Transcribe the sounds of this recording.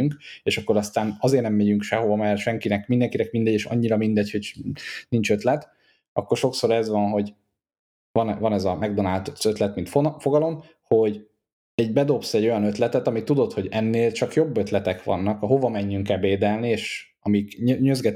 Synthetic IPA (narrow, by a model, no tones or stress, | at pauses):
yŋkeːʃɒkːo̞ɾɒst̪aːnɒzeːrnɛmːeɟyŋkʃɛɦo̞vɒmɛrʃɛŋkinɛkmind̪ɛŋkinɛkmind̪ɛɟeːʃɒ̰ɲːiɾɒmind̪ɛcho̞ɟnint͡ʃø̞t̪lɛt̪ | ɒkːorʃo̞kso̞ɾɛzʋɒnɦo̞ɟ | vɒnvɒnɛzɒmɛɡd̪onaːlt̪ot̪ːø̞t̪lɛt̪mint̪ofo̞ɡɒlo̞m | ho̞ɟ | ɛɟbɛd̪o̞psɛɟo̞jɒnø̞t̪lɛt̪ɛt̪ɒmit̪ːud̪o̞t̪ho̞ɟɛnːeːlt͡ʃɒkjo̞bːøt̪lɛt̪ɛkʋɒ̰nːɒkɒɦo̞vɒmɛɲːyŋkɛlveːd̪ɛlnieːʃ | ɒmikɲøzɡɛt̪